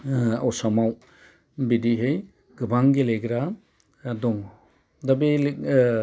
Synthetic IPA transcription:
a̰wsamaw | bidiɦɯj | ɡ̥ɯbaŋɡeleɡɾa | dɔŋ | dabi

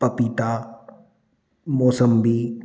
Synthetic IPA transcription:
pɐpiːt̪aː | moːsəmbiː

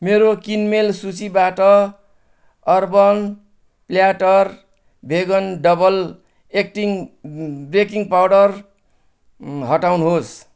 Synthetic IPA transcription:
meɾokinmelsut͡sibaʈʌ | ʌrbʌn | pljaʈʌr | bʱeɡʌnɖʌbʌl | ek̚ʈiŋ | brekiŋɡpawɽʌr | ɦʌʈawnuɦos

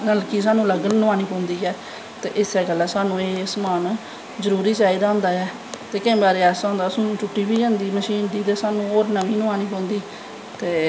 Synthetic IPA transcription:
nəlkiːs̬aːnũːləɡlnʊaːniːpõːnd̪iːɦɛː | t̪ḛːʔɪsɛːɡəlːaːsaːnũːeːsəmaːn | zəɾuːɾiːt͡ʃaːiːd̪aːɦʊ̃nd̪aːɛː | t̪eːkɪ̃ːbaːɾeːɛːsãʊ̃ːnd̪aːsənũːt͡ʃʊʈːiːbiːd͡ʒãːnd̪iːməʃiːnd̪iːt̪eːsaːnũːoːɾnəʋĩːnʊaːniːpõːnd̪iː | t̪eː

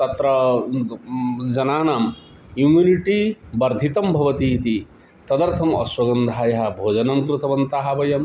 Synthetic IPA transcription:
t̪ɐt̪ɾɐ | d͡ʒɐnaːnaːm | jumuniʈibɐɾd̪ʱit̪ɐmbʱɐʋɐt̪iːt̪i | t̪ɐd̪ɐɾt̪ʰɐmɐ̰swɐɡɐnd̪ʱaːjɐɦɐbʱoːd͡ʒɐnɐmkɾut̪ʰɐʋɐnt̪aːɦɐbɐjɐm

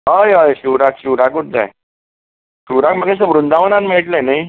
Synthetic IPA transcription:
ɦəjɦəjɕuɾakɕuɾakut̪̚d̪a̰ | ɕuːɾakməɡẽs̬əʋɾund̪ʱaʋənanmiɭʈlẽnaj

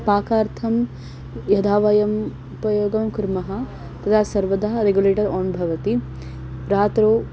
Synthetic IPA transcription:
paːkaːɾt̪ʰɐm | jɐd̪ʱaːʋɐjɐm | upɐjoːɡɐmkuɾmɐɦɐ̆ | t̪ɐt̪ʰaːsɐɾʋɐd̪ʱaːɦɐɾeɡjuleːʈɐɾɔːnbʱɐʋɐt̪i | ɾaːt̪ɾoː

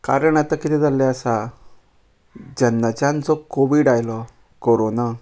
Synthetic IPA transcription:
kaɾəɳat̪akit̪id͡zalːɛəsa | d͡ʑənːat͡ɕant͡sɔkoʋiɽajlɔ | koɾona

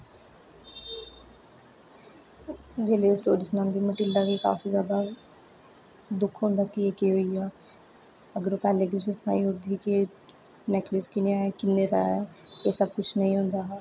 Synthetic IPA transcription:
d͡ʒeːleːsʈoːɾisnaːnd̪iːməʈɪlɖaːʋiːka̰ːfʰiːzjaːd̪a | d̪ʊkʰɦõːnd̪aːkieːkiːɦoːiaː | əɡəɾoːpɛːleːkɪsesma̰ːiʊɾd̪ʱiːki | neːkʰləskɪneaːɛːkɪnːeːt̪a̰ːɛeːsəb̚kʊt͡ʃʰnəɦĩːɦʊ̃ːnd̪aːɦɛː

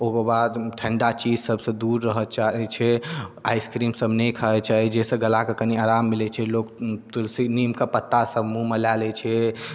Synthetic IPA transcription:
okebad̪ʈʰɛ̃ɳɖat͡ʃid͡ʒsəbʱsə̃d̪uɾːəɦət͡ʃaɦɛt͡ʃʰɛa̰jskɾimsəbnekʰəɦɛt͡ʃaɦid͡ʒesə̃ɡəlakəkəniaɾamːilɛt͡ʃʰɛlokt̪ulsinimkəpət̪ːasəbmuməlalɛt͡ʃʰɛ

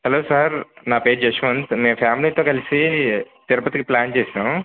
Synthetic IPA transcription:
hɛloːsaɾnaːpeːɖd͡ʒɐʃʋɐnt̪meːpʰaːmliːt̪oːkɐlisit̪iɾɐpɐt̪ikiplaːnt͡ʃeːsinam

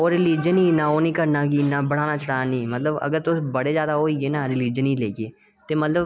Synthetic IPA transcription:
oːɾɪliːd͡ʒəniːnaːoːniːkəɾnaːɡiːnaːbəɽaːnaːt͡ʃəʈaːnĩːmət̪ləbə̰ɡəɾt̪ʊsbəɽeːzjaːd̪aɦoːiːɡeːnaːɾɪliːd͡ʒəniːleːkeː | t̪eːmət̪ləb

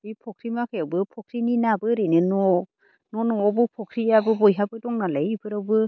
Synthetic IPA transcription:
bipʰɔkʰɾimakʰɯjawbɯpʰɔk̚ʰɾininabɯɾɯnɯnɔ | nɔnɔɔbɯpʰɔkʰɾijabɯbɔjɦabɯdɔŋnalajbʰɯɾawbɯ

